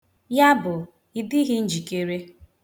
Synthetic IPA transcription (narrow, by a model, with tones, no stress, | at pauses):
ja˦bʊ˨ | i˨dɪ˦ɦɪ˦n̩˦d͡ʒi˨ke˦ɾe˦